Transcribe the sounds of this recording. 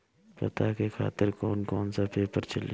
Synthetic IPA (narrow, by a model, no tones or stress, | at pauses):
pɐ̰t̪akekʰa̰ːt̪ɪɾkɔːnkɔːnsapeːpəɾt͡ʃɐl